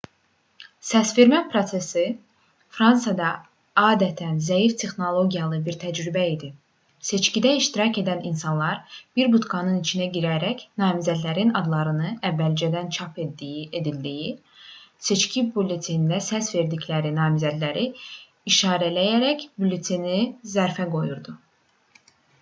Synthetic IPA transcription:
sæsve̞ɾmæpʰɾo̞se̞si | fɾɑnsɑd̪ɑ | ɑːd̪æt̪ʰænzæjift̪ʰe̞xno̞lˠo̞ɟʲijɑlˠɯbiɾt̪ʰæd͡ʒɾybæid̪i | se̞t͡ʃcid̪æiʃt̪iɾɑce̞d̪æninsɑnlˠɑɾb̥iɾbut̪ɡɑnɯnit͡ʃʰinæɟiɾæɾæcnɑːmizæd̪læɾinɑd̪lˠɑɾɯnɯævːæld͡ʒæd̪ænt͡ʃʰɑpʰed̪ijed̪ild̪iji | se̞t͡ʃcʰibulʲet̪ʰind̪æsæsve̞ɾd̪iclæɾinɑːmizæd̪læɾi | iʃɑːɾælæjæɾæcbulʲet̪ʰinizæɾfæɡo̞juɾd̪u

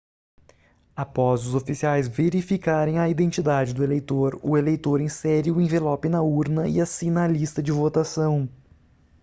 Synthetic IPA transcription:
apɔzʊzofisiajzveɾifikaɾẽj̃ɐid̪ẽnt͡ʃid̪ad͡ʒɪd̪ʊelejt̪oɾʊ̰elejt̪oɾẽsɛɾɪʊẽvelɔpɪnɐuɾnɐɪ̰asĩnɐːlist̪ɐd͡ʒɪvot̪asɐ̃w̃

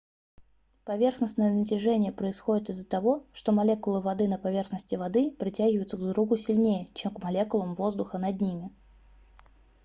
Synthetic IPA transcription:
pɐvʲe̞rxnəsnəjənətʲɪʐɛnʲɪjəpɾəɪsxo̞dʲɪt̪ɪzːət̪ɐvo̞ʂt̪o̞mɐlʲe̞kʊlˠɨvɐd̪ɨnəpɐvʲe̞rxnəsʲtʲɪvɐd̪ɨpɾʲɪtʲæɡʲvəʊt̪səɡd̪ɾuɡʊsʲɪlʲnʲejət͡ɕemkmɐlʲe̞kʊlˠəmvo̞zd̪ʊxənɐd̪nʲimʲɪ

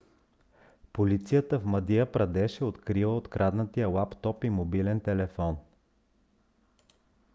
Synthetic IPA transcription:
polit̪sijət̪əfmɐd̪ijəpɾɐd̪ɛʃɛot̪kɾivˠəot̪kɾʔad̪nət̪ijəlˠapt̪ɔpimobilɛnt̪ɛlɛfɔn

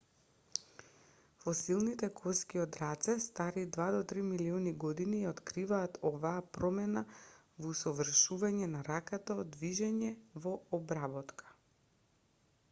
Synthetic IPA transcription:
fɔsilˠnit̪ɛkʰɔskiɔd̪ɾat̪sɛst̪aɾid̪vad̪ɔt̪ɾimiliɔniɡɔd̪iniot̪kɾivaːt̪ʰɔvaːpɾɔmɛna | vusɔvr̩ʃuvaɲɛnaɾakat̪ad̪viʒɛɲɛvɔɔbɾabɔt̪kʰḁ

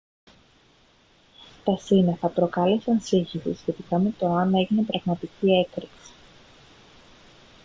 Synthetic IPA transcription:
t̪ɐsineθɐpɾo̞kɐle̞sɐnsiçisḭsçe̞t̪ikɐme̞t̪o̞ɐne̞ʝine̞pɾɐɣmɐt̪icie̞kɾiksi̥

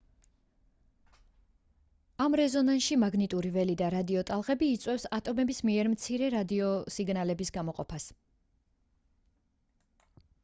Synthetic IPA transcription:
amɾɛzɔnanʃimaɡnit̪ʼuɾivɛlid̪aɾad̪iɔt̪ʼalˠʁɛbiːt̪sʼwɛfsat̪ʼɔmɛbismiɛɾmt̪sʰiɾɛɾad̪iɔsiɡnalɛbisɡamɔqʼɔpʰas

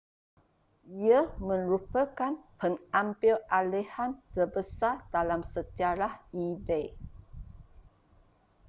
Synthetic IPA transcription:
iəmə̃nɾupəkanpənampilalehant̪əbəsadalamsəd͡ʒaɾahibej

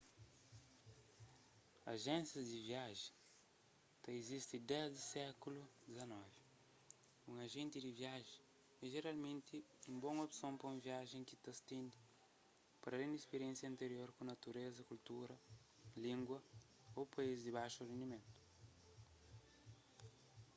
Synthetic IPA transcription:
aʒẽnsjɐzd̪iviaʒẽ | t̪ɐizist̪id̪ɛzd̪isɛkulud̪izɐnɔvi | ũŋɐʒẽnt̪id̪iviaʒẽ | ɛʒeɾalmẽnt̪iũbõŋopsõmpɾɐũviaʒẽkit̪ɐst̪ẽnd̪i | pɐɾɐlẽnd̪ispeɾjẽnsjɐ̃nt̪eɾjoɾkõnɐt̪uɾezɐkult̪uɾɐ | lĩŋɡwɐ | opaizd̪iβajʃurẽnd̪imẽnt̪u̥

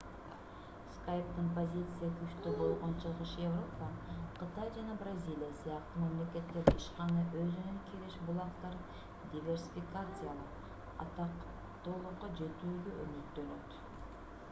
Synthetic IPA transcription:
skajpt̪ɪnpo̞zʲit̪sɨjakʰyʃt̪øbo̞lˠʁo̞nt͡ʃʰɯlˠʁɯʃje̞vro̞paqʰɨt̪ajd͡ʒɑnɑbrazʲilʲijasɨjɑq̚t̪umemle̞kʲe̞t̪ːeɾiʃqɑnɯʔøzynønkʲʰeɾeʃbulˠɑqt̪ɑɾ | d̪ʲivʲe̞rsʲi̥fʲikat̪sɨjalˠə | ɑt̪ɑq | t̪olˠuɑd͡ʒe̞t̪yːd̪yʔømyt̪ːølø̞t̪

